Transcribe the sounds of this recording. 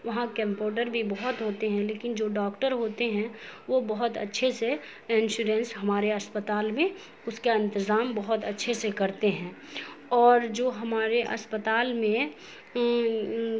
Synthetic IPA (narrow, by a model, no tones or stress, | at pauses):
ʋɐɦãkɐ̃mpoːʈəɾbʱibɐɦʊt̪ɦoːt̪eɦɛ̃leːkɪnd͡ʒoːɖɔːkʈəɾɦoːt̪eɦɛ̃ʋobɐɦʊt̪ɐ̰tːʃʰese | ɪ̃nʃuɾɛ̃ːnsɦɐmaːɾeɐspət̪aːlmẽ | ʊskaɪ̃nt̪ɪzaːmbɐɦʊt̪ɐtːʃʰesekɐɾt̪eɦɛ̃ː | ɔːɾd͡ʒoːɦɐmaːɾeʔɐ̰spət̪aːlmẽ